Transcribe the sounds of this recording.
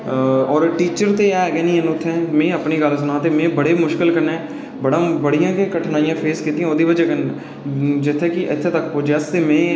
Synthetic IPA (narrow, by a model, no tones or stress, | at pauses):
ɔːɾʈiːt͡ʃəɾt̪eːɛːɡɛːnĩɛnʊt̪ʰːɛ̃ːmẽːəpniːɡəls̬ʊnaːt̪eːmẽːbəɽeːmʊʃkɪlkəɾneː | bəɽãːbəɽijãːkekəʈʰnaːijãːpʰeːskiːt̪ijãoːd̪iːʋəd͡ʒeːkən | d͡ʒɪt̪ʰːeːkiʔɪ̰t̪ʰːet̪əkpoːd͡ʒɛst̪eːmɛ̃ː